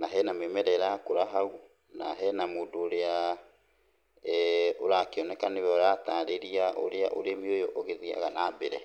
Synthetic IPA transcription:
naɦɛnamemɛɾɛɾakoɾaɦau | naɦɛnamoːdoːɾea | oɾakeɔnɛkaneβɛɔɾataːɾeɾiaʔo̰ɾeaʔoɾemiojɔʔɔɣeðia̰ɣanabeɾɛ

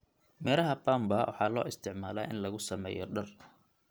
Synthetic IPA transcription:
mɛːlɐɦɐbaːmbawʔɑ̰ħɑːlɔːɪst̪ʰɪʕmaːlaːʔɪnlɐɣʊsɐmɛ̰ːjɔ̰ɖɐr

